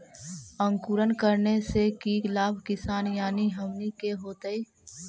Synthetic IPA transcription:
ə̃ŋkuːɾənkəɾnesekilaːbʱkɪsaːnjaːniɦɐmnikeɦoːt̪əi

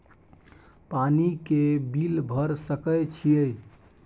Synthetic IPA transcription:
panikebilbʱəɾsəkəjt͡ʃʰijəj

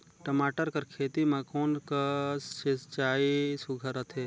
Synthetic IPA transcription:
ʈɐmaːʈəɾkɐɾkʰeːt̪imãkoːnkəset͡ʃaːisuɡʱɐɾət̪ʰeː

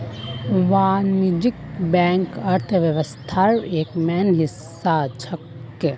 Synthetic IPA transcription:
ʋaːnmiːd͡ʒikbɛːŋkɐɾt̪ʰʋjɐʋəst̪ʰaɾeːkmɛːnɦɪsːat͡ʃʰɐkː

